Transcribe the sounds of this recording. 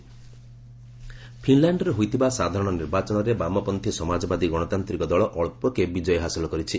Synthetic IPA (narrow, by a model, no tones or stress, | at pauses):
pʰinlaɳɖɔɾeɦojt̪ʰibasad̪ʱaɾɔɽ̃ɔniɾbat͡ʃɔñɔɾebamɔpɔnt̪ʰisɔmad͡ʒɔbad̪iɡɔɽ̃ɔt̪ant̪ɾikɔd̪ɔɭɔʔɔɭpɔkebid͡ʒɔjɔɦasilɔkɔɾit͡ʃʰi